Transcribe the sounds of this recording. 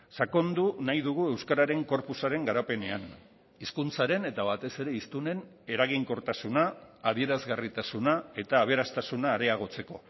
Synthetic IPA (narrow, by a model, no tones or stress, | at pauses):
sako̞nd̪unajðuɣ̞ue̞wskaɾaɾe̞ŋko̞ɾpusaɾe̞ŋɡaɾape̞ne̞an | iskunt͡saɾe̞ne̞t̪aβat̪e̞se̞ɾe̞ist̪une̞n | e̞ɾaɣ̞iŋko̞ɾt̪asunaːðie̞ɾazɣarit̪asunae̞t̪aːβ̞e̞ɾast̪asunaːɾe̞aɣ̞o̞t͡se̞ko̞